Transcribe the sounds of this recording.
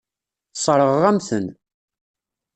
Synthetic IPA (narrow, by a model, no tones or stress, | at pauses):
sˤɾˤəʁʁæmθən